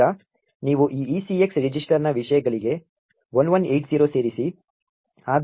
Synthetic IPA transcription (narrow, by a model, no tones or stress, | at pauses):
ɐ | niːʋuʔiːiːsieksɾid͡ʒisʈɐɾnɐʋiʂɐjɐɡɐɭiɡe̞ | ʋɐnʋɐnejʈziːɾoːse̞ːɾisi | aːd̪